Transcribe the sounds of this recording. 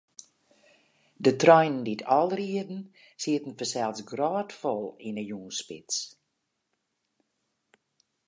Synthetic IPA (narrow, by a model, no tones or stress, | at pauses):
dətrɔjnənditʰɔlˠriədn̩ | siətn̩fəsɛlˠsɡrɔːtfɔlˠinəjuːnspɪ̰s